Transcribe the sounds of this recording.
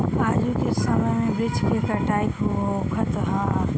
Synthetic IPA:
aːd͡ʒukesəməjmẽbɾɪt͡ʃʰket̪əʈaikɦookʰət̪ɦa

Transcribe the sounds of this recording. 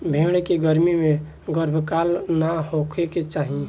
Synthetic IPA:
bʱẽɽ̃ekeɡəɾmime | ɡəɾbʱkalnahokʰeket͡ʃaɦĩ

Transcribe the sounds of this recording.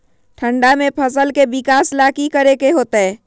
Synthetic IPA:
ʈʰə̃ɳɖamẽpʰəsəlkebɪkaːslaːkikəɾekeɦoːt̪ɛː

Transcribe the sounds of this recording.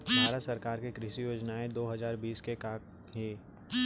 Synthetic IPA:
bʱaːɾət̪sɐɾkaːɾkekɾɪʃijoːd͡ʒnaẽd̪oːɦɐzaːɾbiːskekaːk | ɦi

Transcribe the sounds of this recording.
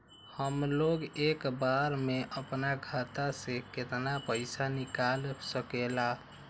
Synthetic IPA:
həmloɡekbaɾmeʔəpnaɡʱat̪aseket̪napəɪsanikalsəkela

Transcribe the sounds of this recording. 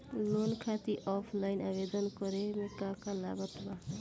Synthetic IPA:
lonkʰat̪iʔɔpʰlajnabed̪ɔnkɔɾemekakala̰ɡɔt̪ba

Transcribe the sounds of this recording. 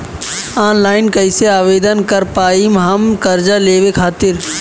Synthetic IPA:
aːnlaːɪnkəɪseaːʋeːd̪ənkəɾpaːimɦəmkəɾd͡ʒaleːʋekʰaːt̪ɪɾ

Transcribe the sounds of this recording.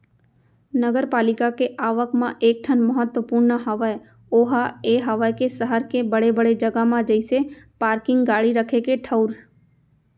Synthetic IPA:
nəɡəɾpaːlɪkakeʔaːʋəkmãʔeːk̚ʈʰənməɦət̪ːwəpuɾnəɦəʋəe | oːɦaeːɦəʋajkesəɦəɾkebəɽebəɽed͡ʒəɡəmãd͡ʒəɪsepaːɾkɪ̃ŋɡɡaːɽiɾəkʰekeʈʰəʊɾ

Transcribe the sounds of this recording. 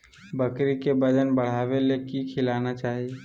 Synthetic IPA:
bɐkɾikebɐd͡ʒənbɐɽ̤aːʋelekikʰɪlaːnat͡ʃaːɦie

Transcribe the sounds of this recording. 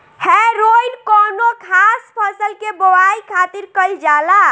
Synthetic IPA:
heɾoinkɔnokʰaspʰəsəlkebowaikʰat̪iɾkəjld͡ʒala

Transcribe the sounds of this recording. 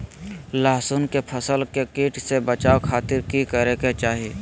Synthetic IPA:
laːsʊnkepʰəsəlkekiːʈʰsebət͡ʃaːkʰaːt̪ɪɾkikəɾeket͡ʃaːɦieː

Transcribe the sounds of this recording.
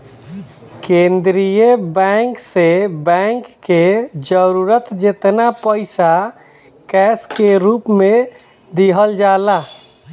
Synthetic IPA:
kẽnd̪ɾijəbɛŋksebɛ̃ŋkːed͡ʒəɾuɾət̪d͡ʒet̪napəɪsa | kɛskeɾupmẽ | d̪iɦəld͡ʒala

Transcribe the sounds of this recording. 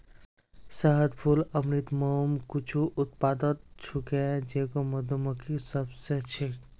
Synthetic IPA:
səɦəd̪pʰuləmnit̪momkut͡ʃʰuʔʊt̪̚paːd̪ət̪̚t͡ʃʰukẽd͡ʒeːkomɐd̪omokisəbset͡ʃʰe

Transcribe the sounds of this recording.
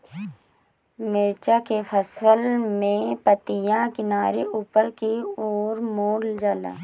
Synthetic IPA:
mɪɾt͡ʃakefʰəsəlmẽpət̪ijãkɪnaːɾeuːpəɾkioːɾmoːld͡ʒəla̰

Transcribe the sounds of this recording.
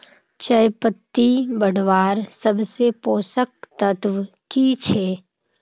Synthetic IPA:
t͡ʃəjpət̪ːibəɽʋaːɾsəbsepoːsək̚t̪ət̪ʋ | kit͡ʃʰeː

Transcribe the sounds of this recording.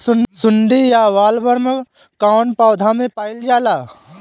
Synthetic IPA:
sʊnɖijaʋaːlbəɾm | kaːʊnpaːd̪ʱamẽpaːɪld͡ʒaːlaː

